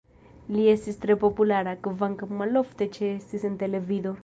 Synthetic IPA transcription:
liesist̪ɾepopulaɾakɨvaŋkamaloft̪et͡ʃʰesisent̪eleviðoɾ

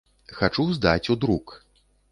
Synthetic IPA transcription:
xat͡ʂuzd̪at͡sʲud̪ɾuk

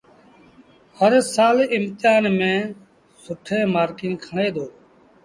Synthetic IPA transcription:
həɾsaːlɪmt̪ɪjaːnmẽː | sʊʈʰẽːmaːɾkĩːnkʰəɳeːd̪oː

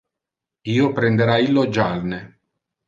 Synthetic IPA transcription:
iːopɾend̪eɾailːod͡ʒalne

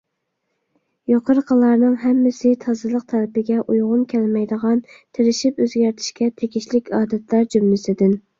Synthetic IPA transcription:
joqʰəɾqʰəlˠɑɾnɨŋɦɛmːɪsɪt̪ʰɑzɨlˠəq̚t̪ʰæɾɪpɪɡʲɛʔujʁʊnkʲʰɛlmɛjd̪əʁɑnt̪ʰɪɾɪʃipøzɡʲæɾt̪ʰɪ̥ʃkʲɛt̪ʰeɡʲiʃlɪkʲɑːd̪ɛt̪ʰlæɾd͡ʒymːɪsɪd̪ɪn

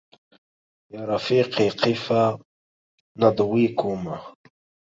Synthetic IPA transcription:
jaːɾafiːqeqifa | nad̪wikʰuma

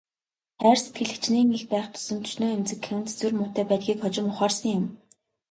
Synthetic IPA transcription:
χæːrset̪̚ɡɘ̆ɮɘ̆kt͡ɕniːŋixpæːχt̪ʰɵ̥sɵ̆nt̪ʰɵ̥ʃnoːemt͡sɘ̆kʰːewɘnt͡se̥t͡suːrmʊːt̪æːpæːt̪̚ɡʲiːkχɔt͡ɕɪ̆mʊχaːrsə̆ŋjʊm

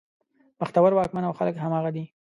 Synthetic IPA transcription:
məxt̪awaɾwɑk̚manawxaləkɦamɑɣad̪i

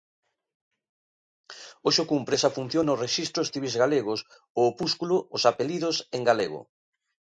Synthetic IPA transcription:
oʃokumpɾesafun̟θjonoreʃist̪ɾost̪iβizɣaleɣ̞os | oːpuskuloːsapeliðoseŋɡaleɣo̰

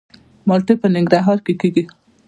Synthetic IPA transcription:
mɑlʈ̪epənɪŋɡɾaɦɑɾkekiɡi

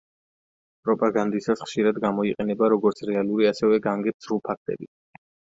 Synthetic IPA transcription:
pʼɾɔpʼaɡand̪isasχʃiɾad̪ɡamɔiqʼɛnɛbaɾɔɡɔɾt̪sʰɾɛalˠuɾiasɛvɛɡaŋɡɛbsɾulˠpʰak̚ʰt̪ʼɛ̰bi

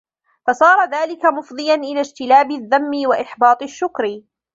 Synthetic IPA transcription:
fɑsˤɑːɾˤɑðaːlɪkamʊfd̪ˤɨjanʔɪlaːd͡ʒt̪ɪlaːbɪðːamːɪwaʔɪħbɑːt̪ˤɪʃːʊkɾɪ

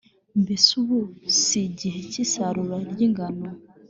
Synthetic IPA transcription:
mbisuβusiɟiɦecisaɾuɾaɾɟiŋɡano

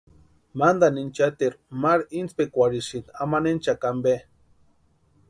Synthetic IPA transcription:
mand̪anint͡ʃat̪iɾmaɾint͡spekʷaɾiʃinamanent͡ʃakambe

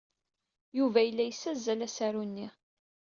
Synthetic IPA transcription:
juvæjəlːæjəsːæzːælæsæɾunːi

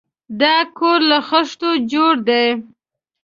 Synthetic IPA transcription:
d̪ɑkoɾlaxəʂt̪od͡ʒoɽd̪ej

